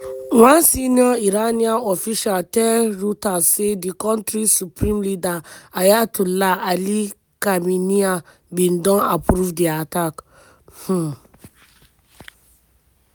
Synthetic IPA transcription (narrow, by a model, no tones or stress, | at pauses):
wãnsiniɔiɾanianɔfiʃaltɛɾutasedikɔ̃ntɾisupɾĩmlidaajatulaali | kaminia | bĩndɔ̃napɾuvdiatak | h̩